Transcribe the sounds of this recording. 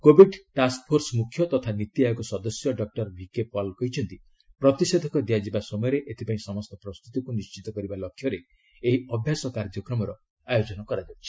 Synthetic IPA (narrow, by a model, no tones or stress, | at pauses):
kobiɖʈaskpʰoɾsɔmukʰjɔt̪ɔt̪ʰanit̪iajɔkɔsɔd̪ɔsjɔɖɔk̚ʈɔɾbʱikepɔlkɔɦit͡ʃʰɔnt̪i | pɾɔt̪ised̪ʱɔkɔd̪iad͡ʒibasɔmɔjɔɾeʔet̪ʰepaĩsɔmɔst̪ɔpɾɔst̪ʰut̪ikunist͡ʃit̪ɔkɔɾibalɔkʰːjɔɾe | eɦiɔbʱjasɔkaɾd͡ʒɔkɾɔmɔɾɔ | ajod͡ʒɔnɔkɔɾad͡ʒat͡ʃʰi̥